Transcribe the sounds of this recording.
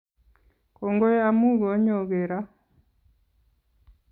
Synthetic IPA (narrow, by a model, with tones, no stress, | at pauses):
ko˨ŋɡo˦ja˦mu˦˨ɡo˨˦ɲo˨ɣe˨ɾa˦